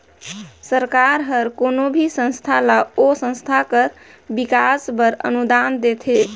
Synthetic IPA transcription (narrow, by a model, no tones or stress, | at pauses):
səɾkaɾɦəɾkonobʱisə̃nst̪ʰalaosə̃nst̪ʰakəɾ | bikasbəɾə̰nud̪and̪et̪ʰe